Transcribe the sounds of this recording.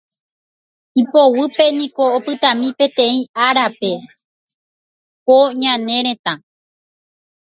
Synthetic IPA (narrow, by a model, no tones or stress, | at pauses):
ipo̞wɨpe̞nĩko̞ːpɨt̪ãmĩpẽ̞t̪ẽ̞ĩaɾape | koɲãnẽ̞ɾ̃ẽ̞t̪ã